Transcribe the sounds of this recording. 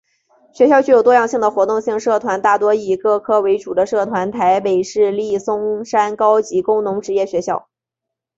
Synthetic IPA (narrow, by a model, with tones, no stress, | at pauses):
ɕɥɛ˧˥ɕjɑ˥˧ʊt͡ɕy˥˩o˨˩t̪wɔ˥jɑ˥˧ŋɕi˥˩ŋd̪ə˩xwɔ˧˥t̪ʊ˥˧ŋɕi˥˧ŋʂɤ˥˩t̪ʰwa˧˥nt̪a˥˩t̪wɔ˥i˥˩kɤ˥˩kʰɤ˥we˧˥ɪʈ͡ʂu˨˩d̪ə˦ʂɤ˥˩t̪ʰwa˧˥nt̪ʰa˧˥ɪpe˨˩ɪʂɻ̩˥˧li˥˩sʊ˥ŋʂa˥nkɑ˥ʊt͡ɕi˧˥kʊ˥ŋnʊ˧˥ŋʈ͡ʂɻ̩˧˥jɛ˥˩ɕɥɛ˧˥ɕjɑ˥˩ʊ